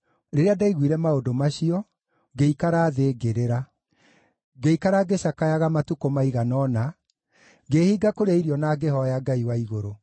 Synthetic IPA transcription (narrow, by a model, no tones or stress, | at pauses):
ɾeɾeadaiɣwiɾɛmaodomaɕiɔ | ɡeikaɾaːðeːɡeɾeɾa | ɡeikaɾaɡeɕakajaɣamatukomaiɣanɔna | ɡehiːɡakoɾeaiɾiɔnaːɡehɔjaɡaiwaiɣoɾo